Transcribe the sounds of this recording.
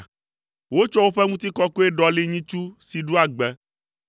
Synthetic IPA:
wo˦t͡ʃɔ˦wo˦ɸɛ˦ŋũ˦t̪i˦kɔ˦ko˦e˦ɖɔ˦li˦ɲĩ˦t͡ʃu˦si˨ɖu˦a˨ɡ͡bɛ˦

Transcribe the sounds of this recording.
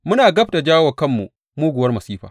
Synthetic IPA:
mʊ˦naː˨ɡɐ˦ɸta˨d͡ʒaː˦wɐ˨kɐ˦˨mːṵ˨ | muː˦ɡʷʊ˨wɐ˦rmɐ˨siː˦ɸaː˨

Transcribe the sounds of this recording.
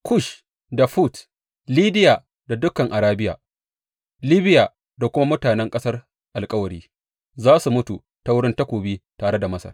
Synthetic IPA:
kʊ˦ʃ | da˨ɸu˦˨t | liː˦dɪ˦jaː˨ | da˨dʊ˦kɐ˨ŋʔa˨ɾaː˦bɪ˦ja̰ː˨ | liː˦bɪ˦jaː˨ | da˨kʷʊ˦ma˦mʊ˦taː˨nɛ˦ŋkʼɐ˦sɐ˦r | ʔa˨lkʼɐ˦wɐ˨ɽiː˦ | zaː˦su˨mʊ˦tu˨ | ta˨˦wʊ˦ɽɪ˦nta˦kʷoː˨biː˦taː˨ɽe˦da˨mɐ˦sɐ̰˨r

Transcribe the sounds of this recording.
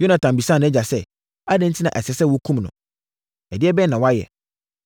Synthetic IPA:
jo˦nã˨tʰã˨m˨bi˨sã˦˨nʊ̃˦ɛ˦d͡ʑa˨sɛ˦ | a˦dɛ̃˦n̩˦tʰi˦nã̰˨ʔæ˨sɛ˨sɛ˦wɔ˦kʰũ˦mnʊ̃˨ | ɛ˨dɪ˦ɛ˦bɛ˦nã˨wɔ˦a˦jɛ̰˨

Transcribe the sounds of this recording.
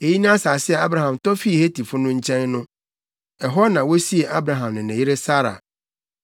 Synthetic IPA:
e˨ji˦nã˦a˦saː˨sɪ˦ɛ˨a˦bɾa˨ɦã˨mtɔ˦fi˦˨he˦tʰi˨fʊ˦nʊ̃˦ɲ̩˦t͡ɕʰɛ̃˦nː˦ʊ̃˦ | ɛ˨ɦɔ˦nã˨wo˦si˦e˨ʔa˦bɾa˨ɦã˨mnɪ̃˨nɛ̃˨ji˦ɾe˦sa˦ɾa̰˨

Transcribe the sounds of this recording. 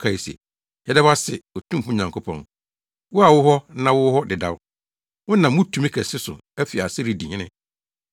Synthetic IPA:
kʰa˨i˨sɛ̰˨ | hɛ˨˦dɛ˦ba˦sɛ˨o˨tʰũ˦m˦fʊ˦˨ɲã˨ŋkʰo˦pʰɔ̰̃˨n | wʊ˦a˨wʊ˦ɦɔ˦nã˦wʊ˦hɔ˦dɪ˨da̰˦w | wʊ̃˦nã˨mː˦ʊ̃˦tʰu˨mĩ˦kʰɛ˨sɪ˦sʊ̰˨ | æ˦fi˨a˨sɪ˦ɾi˨dĩ˨ɲɪ̃˦nɪ̰̃˦

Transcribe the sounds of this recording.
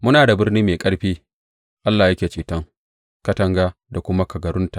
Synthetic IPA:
mʊ˦naː˨da˨bɪ˦rniː˦meː˨kʼɐ˦ɽɸiː˦ | ʔa˦lːaː˨jɐ˦kʲeː˨t͡ʃiː˨tɐ˦ŋ | kɐ˦tɐ˦ŋɡaː˦da˨kʷʊ˦ma˦kɐ˨ɡɐ˨ɾʊ˦ntaː˨ʔ

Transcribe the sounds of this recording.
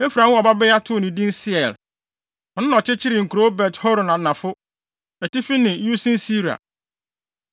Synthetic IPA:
e˦fɾã˨˦ɔ˨ba˦bɛ˦ja˦tʰʊ˦˨nɪ̃˨dĩ˦n˦sɪ˦ɛ˨l | ɔ˨nʊ̃˦nã˨t͡ɕʰɪ˦t͡ɕʰɪ˦ɾɪ˨ŋ̩˨ku˨ɾo˦bɛ˨thɔ˦ɾɔ˨nã˨nã˨fʊ˦ | ɛ˨tɪ˦fi˦nɪ̃˨ju˦sĩ˦n˦si˦ɾi˨a̰˨

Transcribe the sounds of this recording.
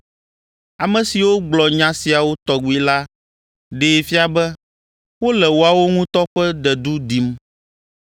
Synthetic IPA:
a˨mɛ̃˨si˨wo˦ɡ͡blɔ˨ɲã˨si˨a˨wo˦t̪ɔ˨ɡu˨˦i˨la˦ | ɖeː˨fi˦a˨bɛ˦ | wo˦lɛ˨wo˨a˨wo˦ŋũ˦t̪ɔ˦ɸɛ˦d̪ɛ˨d̪u˦d̪i˨m

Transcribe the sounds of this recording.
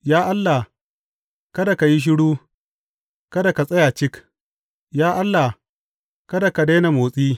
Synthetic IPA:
jaː˦ʔa˦lːa˨ | kɐ˦da˨ka˨ji˦ʃ̬ɪ˦ɽuː˦ | kɐ˦da˨ka˨sʼɐ˦ja˨t͡ʃɪ˦k | jaː˦ʔa˦lːa˨ | kɐ˦da˨ka˨da˦na˨moː˨sʼiː˦

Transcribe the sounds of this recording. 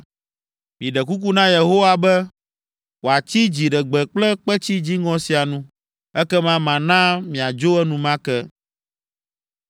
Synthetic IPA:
mĩ˨ɖɛ˨ku˦k̬u˦nã˦je˨ɦo˦wa˦bɛ˦ | wo˨a˨t͡ɕi˦d͡ʑi˨ɖɛ˨ɡ͡bɛ˨k͡plɛ˦k͡pɛ˦t͡ɕi˦d͡ʑi˦ŋɔ̃˦si˨a˨nũ˦ | ɛ˦kɛ˦mã˦mã˨nã˦mĩ˨a˨d͡ʒo˦ɛ˦nũ˦mã˦kɛ˦

